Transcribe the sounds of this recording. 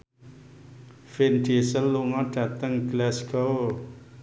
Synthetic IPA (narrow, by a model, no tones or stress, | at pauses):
fɪnɖesəlːuŋɔɖ̥a̤t̪əŋɡ̥lɛsɡɔw